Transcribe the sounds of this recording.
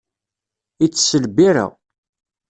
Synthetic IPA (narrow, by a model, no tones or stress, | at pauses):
it͡sːsəlbiɾæ̰